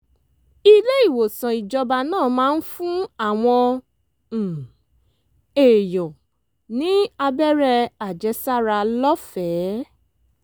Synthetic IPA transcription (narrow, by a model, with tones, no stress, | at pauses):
i˦le˦i˦˨wo˨sã˨i˨d͡ʒɔ˧ba˧nãː˦˨mãː˦n̩˦fũ˦a˦˨w̃ɔ̃˧˨ | e˨jɔ˨ | nĩ˦a˧bɛ˦ɾɛ˧a˨d͡ʒɛ˧˦sa˦ɾa˧lɔ˦fɛ˨˦